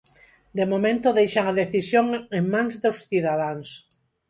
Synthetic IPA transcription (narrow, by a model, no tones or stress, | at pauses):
d̪emomẽnt̪oðejʃaŋaðeθisjoŋeŋmãŋzðosθiðaðaŋs